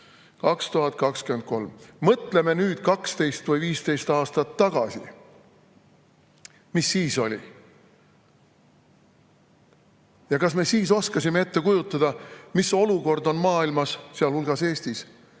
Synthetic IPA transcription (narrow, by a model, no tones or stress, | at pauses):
kɑkst̪uɦɑt̪̚ːˑkɑkskyend̪̚ko̞lmmɤt̪ˑle̞me̞nyːd̪̥̚kɑkst̪e̞jst̪vɤjviːst̪e̞jst̪ɑːst̪ɑt̪ːɑɡ̥ɑsḭ | misːiːso̞̰lʲḭ | jɑkɑsme̞siːso̞skɑsʲime̞e̞t̪ːe̞kujut̪ːˑɑd̪̥ɑmiso̞luko̞rd̪o̞nmɑːilmɑsseɑlhulɡ̥ɑse̞ːst̪is